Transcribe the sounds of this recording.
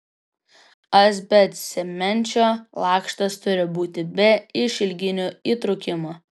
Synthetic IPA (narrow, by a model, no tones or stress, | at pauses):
ɐsʲbʲɛt̪sʲɛmʲɛnʲˑt͡ʃʲoːlˠɑːkʃt̪ɐst̪ʊɾʲɪbuːt̪ʲɪbʲɛɪʃʲɪlʲɡʲɪnʲʊiːt̪ɾʊkʲɪmo